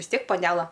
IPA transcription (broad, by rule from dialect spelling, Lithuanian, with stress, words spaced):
ʋʲɪs ˈtʲiɛk pɐˈnʲæːlˠɐ